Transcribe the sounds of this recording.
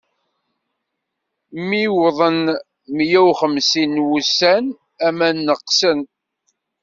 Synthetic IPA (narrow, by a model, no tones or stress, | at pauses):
mːiwðˤən | mjæwχəmsinwusæn | æmænːəqsən